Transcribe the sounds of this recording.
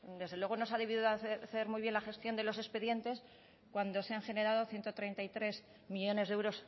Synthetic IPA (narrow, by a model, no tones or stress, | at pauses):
d̪e̞zðe̞lwe̞ɣ̞o̞no̞saðe̞βiðiðoθe̞ɾmujβje̞nlaxe̞st̪jo̞nd̪e̞lo̞se̞speðje̞nt̪e̞s | kwand̪o̞seaŋxene̞ɾað̞o̞θje̞nt̪ot̪ɾe̞jnt̪ajt̪ɾe̞s | miʎo̞ne̞zðewɾo̞s